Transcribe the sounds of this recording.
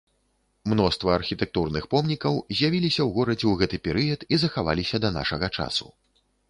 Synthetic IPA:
mn̪ɔst̪vɐːrxʲit̪ɛk̚t̪urnɨxpɔmnʲikɐwzʲjavʲilʲisʲɐwɣɔɾɐd͡zʲɛwɣɛt̪ɨpʲɛɾɨjɐt̪izɐxava̰lʲisʲɐd̪ɐna̰ʂɐɣɐt͡ʂa̰sṵ

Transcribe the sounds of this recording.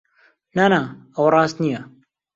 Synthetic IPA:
naːnaːəwrˤɑːst̪nija

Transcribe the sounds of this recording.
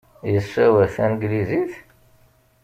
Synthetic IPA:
jəsːæwæθænɡliziθ

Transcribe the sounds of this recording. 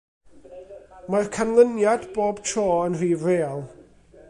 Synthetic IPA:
markʰanlˠənjadboːbtʰrɔːənr̥iːvreːɔlˠ

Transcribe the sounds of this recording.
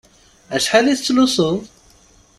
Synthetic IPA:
æʃħaliθt͡sːlusˤoðˤ

